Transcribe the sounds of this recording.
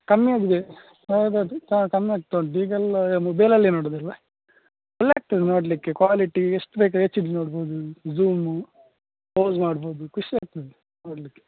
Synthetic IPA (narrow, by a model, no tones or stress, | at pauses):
kɐmːiaːɡid̪e | ɐad̪ɐt̪akɐmːijaːɡ̚t̪ːoɳɖiːɡɐlmɐbeːlɐlːinoːɽod̪ɐlːɐ | pɐlaːk̚ʈ̪ɐd̪no̞ːɽlikːekʋaːliʈieʂʈubeːk̬aet͡ʃːid̪linoːɽboːd̪uzuːmu | poːzmaːɽboːd̪ukuʂiaːɡ̚t̪ɐd̪e | noːɽɐlikːe